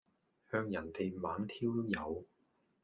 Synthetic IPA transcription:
hœː˧ŋjɐ˨˩nt̪e˨jmaː˨˥ŋt̪ʰiː˥wjɐ˨˧w

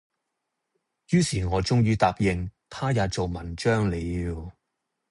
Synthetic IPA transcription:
jyː˥siː˨˩ŋɔː˨˧t͡sʊ˥ŋjyː˥t̪aː˨p̚jɪ˨ŋt̪ʰaː˥jaː˨˧t͡so˨wmɐ˨˩nt͡ʃœː˥ŋle˨˧iː˧w

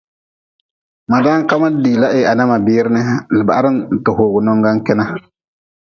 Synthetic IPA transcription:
ma˨daː˦ŋ˦ka˦ma˦diː˨la˦ʔɪ˦˨a˨na˦ma˨bɪː˦ɾɪ˦nɨ˦lɪ˨ba̰˨a˦ɾɨ˦n˨tʊ˨hoː˨ɡʊ˨nɔ˦ŋɡa˦ŋkɪ˦na˦

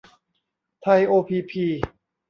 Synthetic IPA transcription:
t̪ʰa˧jʔoː˧pʰiː˧pʰiː˧

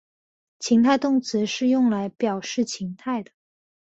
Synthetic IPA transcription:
t͡ɕʰi˧˥ŋt̪ʰa˥˧ɪt̪ʊ˥˩ŋt͡sɹ̩˧˥ʂɻ̩˥˧jʊ˥˩ŋla˧˥ɪpjɑ˨˩ʊʂɻ̩˥˩t͡ɕʰi˧˥ŋt̪ʰa˥˩ɪd̪ə˩

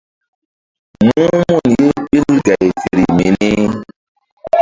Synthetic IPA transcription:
mu˦ũ˦mu˦˨nje˦ɓi˦lɡa˨jfḛ˨ɾi˨me˨ni˦

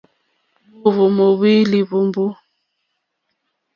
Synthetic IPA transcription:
u˦βu˨mo˨βi˦li˨bu˨mbu˦

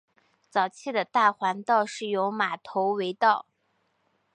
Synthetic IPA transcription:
t͡sɑ˨˩ʊt͡ɕʰi˥˩d̪ə˩t̪a˥˩xwa˧˥nt̪ɑ˥˧ʊʂɻ̩˥˩jo˧˥ʊma˨˩t̪ʰo˧˥ʊwe˧˥ɪt̪ɑ˥˩ʊ

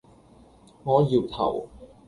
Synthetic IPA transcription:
ŋɔː˨˥jiː˨˩wt̪ʰa̰˨˩w

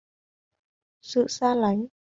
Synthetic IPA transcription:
sɨ̰˧˨saː˧la˨˦jŋ

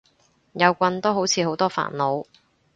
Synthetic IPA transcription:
jɐ˨˧wkʷɐ˧nt̪o˥wɦo˨˥wt͡sʰiː˨˧ɦo˨˥wt̪ɔː˥fa̰ː˨˩nlo˨˧w

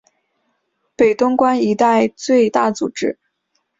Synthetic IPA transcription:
pe˨˩ɪt̪ʊ˥ŋkwa˥ni˧˥t̪a˥˧ɪt͡swe˥˧ɪt̪a˥˩t͡su˨˩ʈ͡ʂɻ̩˥

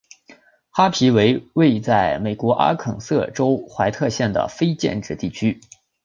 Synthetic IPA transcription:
xa˥pʰi˧˥we˧˥ɪwe˥˧ɪt͡sa˥˩ɪme˨˩ɪkwɔ˧˥ʔa̰˥kʰɤ̰˨˩ŋsɤ˥˩ʈ͡ʂo˥ʊxwa˧˥ɪt̪ʰɤ˥˧ɕjɛ˥˩nd̪ə̰˩fe˥ɪt͡ɕjɛ̰˥˧nʈ͡ʂɻ̩˥˧t̪i˥˩t͡ɕʰy˥

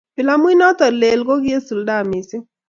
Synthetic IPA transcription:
pɪ˨la˦mu˦i˦nɔ˦tɔ˨le˨lko˦kɪ˦e˦su˨lda˦˨mi˨si˦

